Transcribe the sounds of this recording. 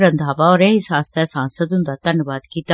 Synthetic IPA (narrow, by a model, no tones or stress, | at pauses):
ɾə̃nd̪ʱaːʋaɔːɾeɦɪsaːst̪ɛsãːnsət̪ɦʊ̃nd̪aːt̪ənʋaːd̪kiːt̪a